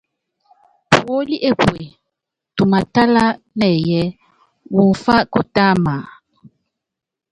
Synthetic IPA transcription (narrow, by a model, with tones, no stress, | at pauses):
po˦li˦ʔe˦pwe˨ | tu˨ma˨ta˦la˦ | nɛ˨jɛ˦ | wu˨n̩˨fa˦ko˦ta˦ma˨